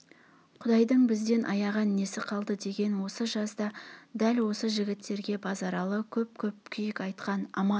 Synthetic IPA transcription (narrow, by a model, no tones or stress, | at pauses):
qʰʊd̪ɑjd̪əɴbɪzd̪e̞nʔɑjɑʁɑnne̞sɪqʰɑlˠd̪əd̪e̞ɡʲe̞nwo̞səʒɑsd̪ɑd̪ælwo̞səʒɪɡʲɪt̪ːe̞ɾɡʲe̞bʰɑzɑɾɑlˠəkʲʰɵp̚kʲʰɵp̚kʲʰʏjɪkɑjt̪qɑnɑmɑn